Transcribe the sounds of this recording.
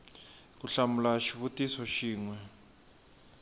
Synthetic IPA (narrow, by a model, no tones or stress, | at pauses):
k̬uɬamulaʃiβutʼisɔʃiːŋwɛ